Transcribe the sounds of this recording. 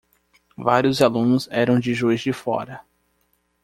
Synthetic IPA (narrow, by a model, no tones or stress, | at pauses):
vaɾiʊzalũnʊzɛɾɐ̃w̃d͡ʒɪʒojzd͡ʒɪfɔ̰ɾɐ